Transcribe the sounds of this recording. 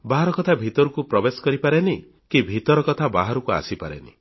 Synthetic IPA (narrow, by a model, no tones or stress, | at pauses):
baɦaɾɔkɔt̪ʰabʱit̪ɔɾukupɾɔbesɔ̥kɔɾipaɾeni | kibʱit̪ɔɾɔkɔt̪ʰaba̰ɦaɾukua̰sipaɾḛnḭ